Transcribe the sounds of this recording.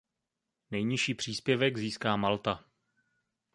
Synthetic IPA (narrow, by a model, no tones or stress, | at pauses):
nɛjɲɪʃiːpr̝̥iːspjɛvɛɡziːskaːmalt̪a